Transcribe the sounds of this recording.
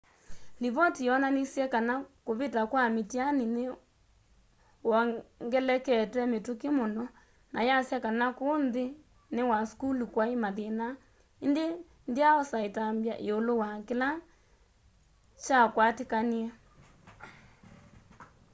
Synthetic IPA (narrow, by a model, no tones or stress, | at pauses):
liβɔtijɔnanisjɛkanakoβetakwamitianine | wɔŋɡɛlɛkɛtɛmetokemonɔ | nʔajasjɛkanakonðe | newaskulukwaemaðena | ende | ndeaɔsaetambjaʔeolowakela | t͡ʃakwatekaniɛ